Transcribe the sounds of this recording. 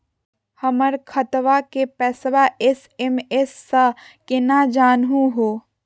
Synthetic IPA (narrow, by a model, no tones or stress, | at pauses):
həməɾkʰət̪ʋakepɛːsʋaʔes | emesːə | kenad͡ʒaːnɦũɦoː